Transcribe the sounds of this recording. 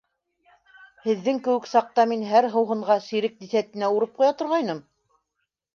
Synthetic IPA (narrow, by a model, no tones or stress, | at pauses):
hɘ̆ðːɘŋkɘ̆wɘ̆ksɑq̚t̪ɑminɦæɾɦɤ̆wɦɤ̆ɴʁɑsiɾɘk̚d̪iθæt̪ɘ̆næuɾɤp̚qujɑt̪ŏɾʁɑjnɤm